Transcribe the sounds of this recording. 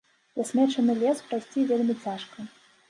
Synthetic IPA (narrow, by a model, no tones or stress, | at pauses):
vʲasʲmʲɛt͡ʂɐnɨlʲɛspɾajsʲt͡sʲivʲelʲmʲit͡sʲaʂkɐ